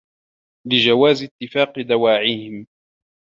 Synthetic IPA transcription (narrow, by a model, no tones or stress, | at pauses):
lɪd͡ʒawaːzɪt̪ːɪfaːqɨd̪awaːʕihɪm